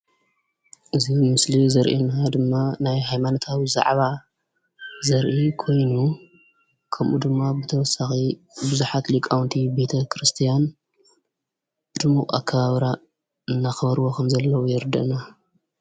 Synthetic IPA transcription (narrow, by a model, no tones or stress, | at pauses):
ʔɨzimɨslizɐɾʔenad̪ɨmːanajɦajmanot̪ʰawiza̰ʕβa | zɐɾʔikʰo̞jnu | kʰɐmʔṵd̪ɨmːabɨt̪ʰɐwɔsːaxi | bɨzuħat̪likʼawnt̪ʰibe̞t̪ʰɐkʰɾɨst̪ʰijan | ɨd̪ɨmukʼa̰kʰːɐβaβɾa | ɨnːaxɐβɐɾwokʰɐmzɐlːɐwujɪɾd̪ɐ̰ʔna